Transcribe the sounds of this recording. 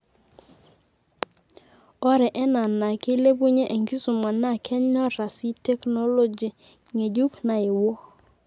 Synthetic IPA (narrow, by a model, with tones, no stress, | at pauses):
ɔ˦ɾɛ˨ʔɛ˦na˨na˨ke˦le˦bu˦ɲe˦ʔe˨ŋki˦su˨ma˨na˦˨kʰɛ˦ɲɔ˦ɾa˨si˦te˦kno˦lo˦d͡ʒi˨ | ŋe˨d͡ʒu˦kna˨ɪ˨wɔ˦